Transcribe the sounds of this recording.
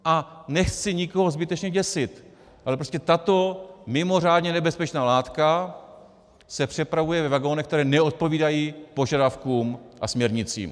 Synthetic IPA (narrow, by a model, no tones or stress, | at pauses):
ʔanɛxt͡sɪɲɪko̞ɦo̞zbɪt̪ɛt͡ʃɲɛɟɛsɪt̪ | ʔalɛpɾo̞scɛt̪at̪o̞mɪmo̞r̝aːdɲɛnɛbɛspɛt͡ʃnaːlaːt̪ka | sɛpr̝̥ɛpɾavujɛvɛvaɡo̞nɛxk̚t̪ɛɾɛːnɛo̞t̪̚po̞viːdajiːpo̞ʒadafkuːmʔasmɲɛɾɲɪt͡sḭːm